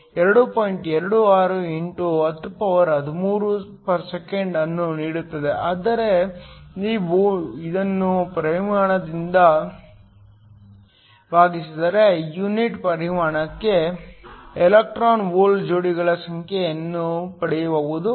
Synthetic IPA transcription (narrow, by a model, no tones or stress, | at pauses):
ɛɾɐɽupoːjiɳʈɛɾɐɽuaːɾueɳʈuɐt̪ɾupɐʋɐɾɦɐd̪umuːɾu | pɐɾsekeɳɖɐnːuniːɽut̪ːɐd̪e̞ʔaːd̪ɐɾe̞niːʋuid̪ɐnːupɾɐimaːɳɐd̪ind̪ɐ | baːɡisid̪ɐɾe̞juniʈpɐɾimaːɳɐkːe̞ | elek̚ʈɾaːnʋoːld͡ʒoːɽiɡɐɭɐsɐŋkʰeɐnːupɐɽɛjɐʋɐʋud̪u